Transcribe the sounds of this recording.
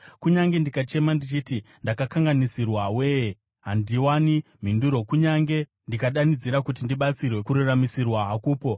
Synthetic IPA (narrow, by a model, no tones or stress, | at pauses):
kuɲaŋɡe̞ndikat͡ʃe̞mandit͡ʃiːti | ndakakaŋɡanisirwawe̞ːje | ɦandiwanim̤induɾo̞kuɲaŋɡe̞ | ndikaɗanid͡ziɾakut̬indiɓat͡sirwe̞kuɾuramisirwaɦakuːpo̞